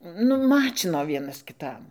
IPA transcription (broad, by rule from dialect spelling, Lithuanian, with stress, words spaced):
ˈnʊ ˈmɑːt͡ʃʲɪnoː ˈʋʲiɛnɐs kʲɪˈtɐm